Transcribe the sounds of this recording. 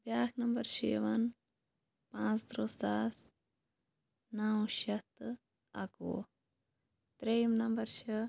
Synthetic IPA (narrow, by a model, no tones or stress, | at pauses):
bjaːkʰnɐmbɐɾʃḛːʋɐn | pãːt͡sd̪ɾosaːs | nawʃɐt̪ | ɐ̰ko̰ː | t̪ɾejmnɐmbɐɾʃɐ